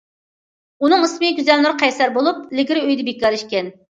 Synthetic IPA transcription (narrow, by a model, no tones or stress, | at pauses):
unɨŋɨsmɨɡʲyzɛlnɨɾqʰɛjsæɾbolˠup̚lɪɡʲiɾɪøjd̪ɪbekːɑɾiʃkʲɛn